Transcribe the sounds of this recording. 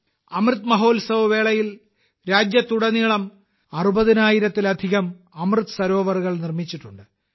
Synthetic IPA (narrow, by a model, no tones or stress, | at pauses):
ɐmrɨt̪mɐɦo̞ːlsɐʋɐʋe̞ːɭɐjil | ɾaːd͡ʑjɐt̪ːuɽɐniɭɐm | ɐrubɐðinaːjiɾɐt̪ːilɐd̪ʱiɣɐm | ɐmrɨt̪ːɨsɐɾo̞ːʋɐrɣɐɭnirmit͡ɕːiʈːuɳɖɨ